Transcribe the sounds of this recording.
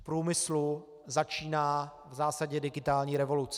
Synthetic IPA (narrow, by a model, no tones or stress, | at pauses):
pɾuːmɪslu | zat͡ʃiːnaː | vzaːsaɟɛdɪɡɪt̪aːlɲiːɾɛvo̞lut͡sɛ